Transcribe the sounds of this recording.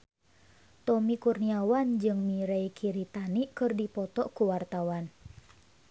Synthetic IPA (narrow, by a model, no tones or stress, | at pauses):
t̪ɔmikurniawand͡ʒɨŋmiɾeikʰiɾit̪aniʔkɨrdipɔt̪ɔʔkuwart̪awan